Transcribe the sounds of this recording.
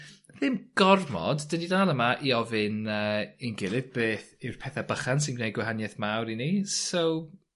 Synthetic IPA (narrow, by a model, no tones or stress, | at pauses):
ðɪmɡ̥ɔrmɔ̰dːədidaːlˠəmaʔiɔvɨnəːɪnɡɪlˠɨvbeːθɪwrpʰɛθabəχansɪnɡnejɡwɛɦanjɛθmawɾinisow